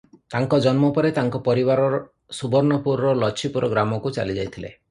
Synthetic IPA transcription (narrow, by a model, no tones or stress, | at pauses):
t̪aŋkɔd͡ʒɔnmɔpɔɾet̪aŋkɔpɔɾiβaɾɔɾɔ | subɔɾnɔpuɾɾɔlɔt͡ʃʰipuɾɔɡɾamɔkut͡ʃa̰lid͡ʒajt̪ʰilḛ